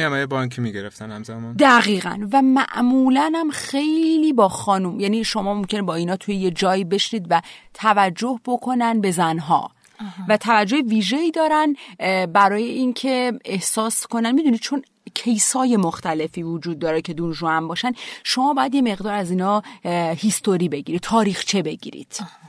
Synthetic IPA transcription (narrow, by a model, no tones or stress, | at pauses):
æmajebɒiŋcʰimiɡeɾeft̪ænhæmzæmɒnd̪æɣiːɣæ̰nvæmæʔmuːlænæmxe̞jliːbɒːxɒːnumjæniːʃo̞mɒːmo̞mcʰe̞nebɒːinɒːt̪ʰujeje̞d͡ʒɒːiːbe̞ʃniːd̪væt̪ʰævæd͡ʒːo̞hbo̞kʰo̞nænbe̞zænɦɒ̰ː | væt̪ʰævæd͡ʒːo̞heviːʒe̞iːd̪ɒːɾænbæɾɒːje̞incʰe̞ehsɒːsko̞nænmiːd̪unid̪̚t͡ʃʰo̞n | cʰe̞jsɒːje̞moxt̪æle̞fiːvod͡ʒuːd̪̚ːɒːɾecʰe̞d̪unʒuæmbɒːʃænʃo̞mɒːbɒːjæd̪jeme̞ɣd̪ɒːɾæziːnɒːhist̪o̞ɾiːbe̞ɟiɾid̪̚t̪ʰɒːɾiːxt͡ʃʰe̞be̞ɟḭːɾḭd̪̥